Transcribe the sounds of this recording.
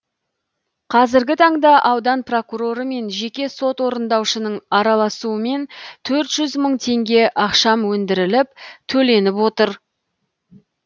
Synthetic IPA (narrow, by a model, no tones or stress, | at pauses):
qʰɑzɪɾɡʲɪt̪ʰɑɴd̪ɑʔɑwd̪ɑnpro̞kuɾo̞ɾəme̞nʒe̞kʲe̞so̞t̪wo̞ɾənd̪ɑwʃənəɴɑɾɑlˠɑsuəme̞nt̪ʰɵɾt̪ʒ̥ʏzməɴt̪ʰe̞ŋɡʲe̞ʔɑqʃɑmwɵnd̪ɪɾɪlɪp̚t̪ʰɵle̞nɪpwo̞t̪əɾ